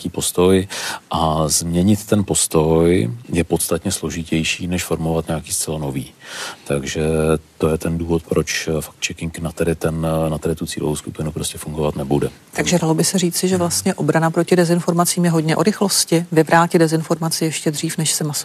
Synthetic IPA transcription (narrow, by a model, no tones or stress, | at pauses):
kiːpo̞st̪o̞jʔazmɲɛɲɪt̪ːɛnpo̞st̪o̞jjɛpo̞t̪st̪at̪ɲɛslo̞ʒɪcɛjʃiːnɛʃfo̞ɾmovat̪ɲaakiːst͡sɛlano̞viːt̪aɡʒɛt̪o̞jɛt̪ɛnduːvo̞t̪̚pɾo̞t͡ʃfḁkt̪t͡ʃɛkɪŋknat̪ɛdɪt̪ɛnnat̪ɛdɪt̪ut͡siːlovowskupɪnupɾoscɛfuŋɡovat̪nɛbudɛ̰t̪aɡʒɛdalo̞bɪsɛriːt͡sɪʒɛvlast̪ɲɛʔo̞bɾanapɾo̞cɪdɛzɪnfo̞ɾmat͡siːmjɛɦo̞dɲɛʔo̰ɾɪxlo̞scɪvɪvɾaːcɪdɛzɪnfo̞ɾmat͡sɪjɛʃcɛd̪r̝iːfnɛʃsɛmas